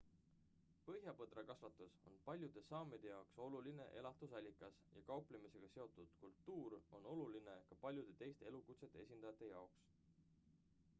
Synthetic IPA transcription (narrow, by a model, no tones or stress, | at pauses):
pɤ̞ɦjɑpɤd̪ɾɑkɑsvɑt̪ːˑuso̞̰npɑlʲjud̪̥e̞sɑːmed̪̥e̞jɑokso̞luline̞̰ʔe̞lɑt̪ˑusɑlʲːikːˑɑsjɑ̰kɑowplemise̞ɡ̥ɑse̞o̞t̪ːˑud̪̥kult̪ːuːɾo̞no̞luline̞kɑpɑlʲjud̪̥e̞t̪e̞jst̪ee̞lukut̪se̞t̪ːˑeesʲind̪̥ɑjɑt̪ːˑejɑoks